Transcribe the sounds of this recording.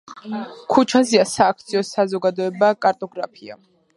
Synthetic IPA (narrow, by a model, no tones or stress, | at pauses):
kʰut͡ʃʰaziasaːkʰt̪sʰiɔsazɔɡad̪ɔɛbakʼaɾt̪ʼɔɡɾapʰia̰